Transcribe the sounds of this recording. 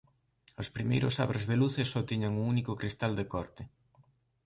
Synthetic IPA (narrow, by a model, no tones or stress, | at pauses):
ospɾimejɾʊsa̰βɾezðeluθɪsɔt̪iɲaŋuŋunikʊkɾist̪ald̪ekɔɾt̪ɪ